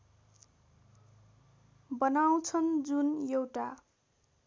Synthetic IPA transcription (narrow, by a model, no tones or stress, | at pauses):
bʌnaw̃t͡sʰʌnd͡zunjewʈa